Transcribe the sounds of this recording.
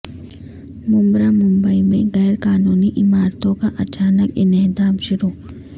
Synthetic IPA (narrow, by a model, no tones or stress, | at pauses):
mʊ̃mbɾamʊ̃mbəimẽɣɛːɾkaːnuːniʔɪmaːɾt̪õkaʔɐt͡ʃaːnəkɪnɪɦd̪aːbʃʊɾuː